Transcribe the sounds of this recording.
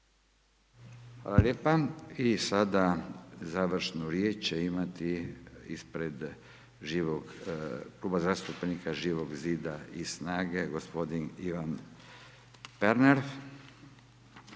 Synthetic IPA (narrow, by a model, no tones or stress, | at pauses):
xʋa̰ːlaljeːpaisad̪azaʋr̩ʃnuɾjet͡ʃt͡ʃeimat̪iḭspɾed̪ | ʒiːʋoɡkluːbazast̪upnikaʒiːʋoɡziːd̪aisnaːɡeɡospo̞d̪iniʋan | peɾneɾ